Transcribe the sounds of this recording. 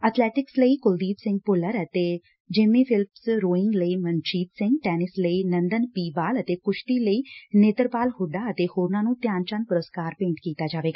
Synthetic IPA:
ət̪ʰlɛːʈɪksləiːkʊld̪iːt̪sɪ̃ŋɡ̚pʊləɾət̪eː | d͡ʒɪmĩːpʰɪlmsɾoːɪ̃ŋɡləiːmənd͡ʒiːt̪sɪ̃ŋɡʈɛːnɪsləiːnə̃nd̪ənpiːbaːlət̪eːkʊʃʈ̪iːləiːneːt̪əɾpaːlhʊɖaːət̪eːhoːɾnãːnũːt̪jaːnt͡ʃənpʊɾəskaːɾpẽːɳʈkiːt̪aːd͡ʒaːʋeːɡaː

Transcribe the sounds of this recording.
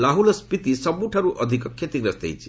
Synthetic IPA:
laɦulʌspit̪isʌbuʈʰʌɾuʔʌd̪ʱikkʰːet̪iɡɾʌst̪ḛjt͡sʰi̥

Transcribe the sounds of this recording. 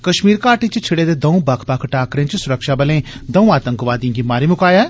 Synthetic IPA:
kɐʃmiːɾkaːʈit͡ʃt͡ʃʰɪɽed̪eːd̪ɐũbɐkʰbɐkʰʈaːkɾẽt͡ʃsʊɾəkʃabɐlẽːd̪ɐ̃ũaːt̪ə̃ŋkʋaːd̪ĩɡimaːɾimʊkaːja

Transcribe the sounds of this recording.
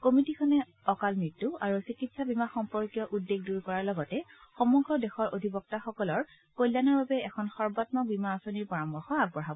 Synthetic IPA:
komitikʰɔnɛ | ɔkalmɹitːuaɹusikitsabimaxɔmpɔɹkijɔʔudːeɡduɹkɔɹaɹlɔɡɔtɛxɔmɔɡɹɔdexɔɹodʱibɔk̚taxɔkɔlɔɹ | kojljanɔɹbabɛɛkʰɔnxɔɹbɔtmɔbimaːsoniɹpɔɹambɔxɔaɡbɔɦabɔ

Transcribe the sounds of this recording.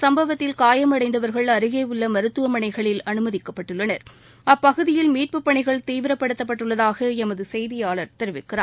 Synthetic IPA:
sɐmbɐʋɐt̪ːɪlkaːjɐmɐɽɐɪnd̪ɐʋɐɾɣɐɭɐɾɯɣeːɯɭːɐmɐɾɯt̪ːɯʋɐmɐɳɐɪɣɐɭɪlɐnɯmɐðɪkːɐpːɐʈːɯɭːɐnɐɾ | ɐpːɐɣɯðɪjɪlmiːʈ̚pɯpːɐɳɪɣɐɭt̪iːʋɪɾɐpːɐɽɯt̪ːɐpːɐʈːɯɭːɐðaːɣɐɛmɐðɯsɛjðɪjaːɭɐɾt̪ɛɾɯʋɪkːɪɾaː

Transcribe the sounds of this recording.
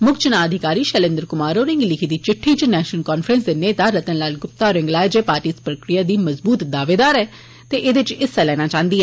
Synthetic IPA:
mʊkt͡ʃənaːəd̪ʱɪkaːɾiːʃɛlɪ̃nd̪əɾkʊmaːɾoːɾɪ̃ŋɡlɪkʰiːd̪iːt͡ʃɪʈʰːiːt͡ʃnɛːʃnəlkaːnfʰɾənsd̪eːneːt̪aːɾət̪ə̃ːlaːlɡʊp̚t̪aːɾɪ̃ŋɡlaːɛd͡ʒeːpaːɾʈiːspɾəkɾɪjaːd̪iːməzbuːt̪d̪aːʋeːd̪aːɾɛː | t̪eːʔɪd̪ɪt͡ʃɪsːɛːlɛːnaːt͡ʃãːnd̪iːɛː

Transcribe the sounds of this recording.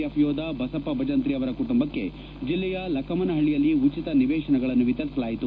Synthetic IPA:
ɐpʰjoːd̪ɐbɐsɐpːɐbʱɐd͡ʒɐnt̪ɾiɐʋɐɾɐkuʈumbɐkːe̞ | d͡ʒilːɛjɐlɐkʰɐmɐnɐɦɐɭijɐlːiut͡ʃit̪ɐniʋɛːʂɐnɛɡɐɭɐnːuʋit̪ɐɾisɐlaːjit̪u

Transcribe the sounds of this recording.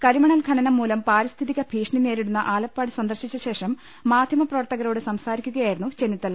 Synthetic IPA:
kɐɾimɐɳɐlkʰɐnɐnɐmːuːlɐmpaːɾist̪ʰiðiɣɐbʱiːʂɳine̞ːɾiɽunːɐʔaːlɐpːaːɽɨsɐnd̪ɐrɕit͡ɕːɐɕe̞ːʂɐmː | aːd̪ʱjɐmɐprɐʋɐrt̪ɐɣɐɾo̞ːɽɨsɐmsaːɾikʲːuɣɐjaːjiɾunːut͡ɕe̞nːit̪ːɐl

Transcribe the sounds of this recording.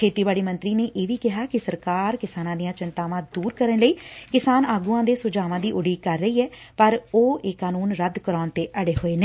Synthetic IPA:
kʰeːt̪iːbaːɽiːmənt̪ɾiːneːʔeːʋiːkɪɦaːkɪsəɾkaːɾkɪsaːnãːd̪ijãːt͡ʃɪnt̪aːʋãːd̪uːɾkəɾənləiːkɪsaːnaːɡuːãːd̪eːsʊd͡ʒaːʋãːd̪iːʔʊɖiːkəɾːəiːɛːpəɾoːeːkaːnuːnɾəd̪kəɾɔːnt̪eːʔəɽeːɦoːeːneː

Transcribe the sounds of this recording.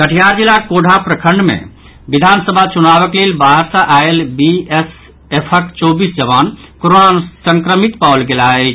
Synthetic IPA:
kəʈʰijaɾd͡ʒilakoɖʱapɾəkʰəɳɖmḛ̃ | bid̪ʱansəbʱat͡ʃunabəklelbaɦəɾsə̃ʔaelbies | epʰəkt͡ʃobisd͡ʒəʋan | koɾonasə̃ŋkɾəmit̪palɡelaɛ

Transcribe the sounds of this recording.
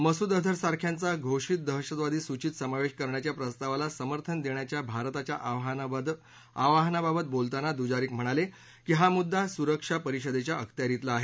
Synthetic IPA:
məsud̪əd̪ʱəɾsaɾkʰjant͡saɡʱoʂiːt̪̚d̪əɦʂət̪ʋad̪iːsut͡ɕiːt̪səmaʋeʂkəɾɳjat͡ɕjapɾəst̪aʋalasəməɾt̪ʰənd̪eɳjat͡ɕjabʱaɾt̪at͡ɕja | aʋaɦnababət̪̚bolt̪anad̪ud͡ʑaɾiːkm̤əɽ̃ale | kiɦamud̪ʱːasuɾəkʂapəɾiɕəd̪et͡ɕjaʔəkʰt̪jaɾit̪laːɦe

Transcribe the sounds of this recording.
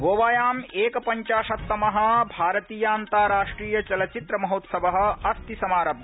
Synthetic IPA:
ʋoːʋaːjaːmeːkɐpɐɲt͡ʃaːʃɐt̪ːɐmɐɦɐ̆bʱaːɾɐt̪iːjaːnt̪aːɾaːʂʈɾiːjɐt͡ʃɐlɐt͡ʃit̪ɾɐmɐɦoːt̪sɐʋɐɦɐ̆ɐst̪isɐmaːɾɐbɐ

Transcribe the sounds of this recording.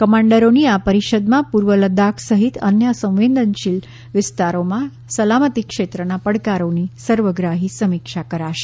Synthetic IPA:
kəmãɳɖəɾoniapəɾiʃəd̪mãpuɾʋələd̪akʰsəɦit̪ənjəsə̃w̃ʋend̪ʱənʃil | ʋɪst̪aɾomã | səlamət̪ikʃet̪ɾənapəɽkaɾonisəɾʋəɡɾaɦisəmikʃakəɾaʃe̥

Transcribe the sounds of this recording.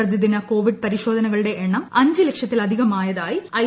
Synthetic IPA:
ɐd̪jɐðinɐko̞ːʋiɖ̚pɐɾiɕo̞ːd̪ʱɐnɐɣɐɭuɽe̞ʔeɳːɐmɐɲd͡ʑɨle̞kʂɐt̪ːilɐd̪ʱiɣɐmaːjɐðaːjiɐ

